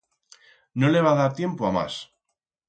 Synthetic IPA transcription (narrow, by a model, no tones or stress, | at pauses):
nole̞β̞aðaɾt̪je̞mpoama̰s